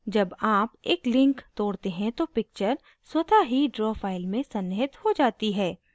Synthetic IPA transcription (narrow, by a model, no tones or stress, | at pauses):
d͡ʒɐbaːpeːklɪ̃ŋkt̪oːɽt̪eɦɛ̃t̪opɪk̚t͡ʃəɾ | swɐt̪ʰaɦiɖɾɔːfʰaːɪlmẽsɐnːɦɪt̪hod͡ʒaːt̪iɦɛː